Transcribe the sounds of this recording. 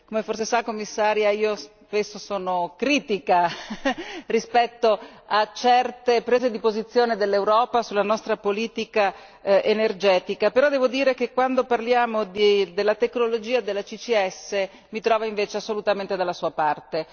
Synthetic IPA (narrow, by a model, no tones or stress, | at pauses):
komeforsesakːomːisːaːɾjaiːos | pesːosɔːnokɾiːt̪ika | rispɛt̪ːoat͡ʃɛrt̪epɾeːzed̪ipozit̪sːjoːned̪elːewɾɔːpasulːanɔst̪ɾapoliːt̪ika | ʔenerd͡ʒɛːt̪ikapeɾɔd̪ɛːvod̪iːɾek̟ekːwand̪oparljaːmod̪d̪elːat̪eknolod͡ʒiːad̪elːat͡ʃit͡ʃiɛsːe | mit̪ɾɔːvaiɱveːt͡ʃeasːolut̪ament̪ed̪alːasuːapart̪e